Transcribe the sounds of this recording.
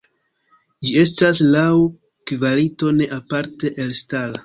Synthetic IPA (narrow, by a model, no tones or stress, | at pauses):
d͡ʒie̞staslaw | kvaɾito̞ne̞ʔapaɾte̞ʔelstala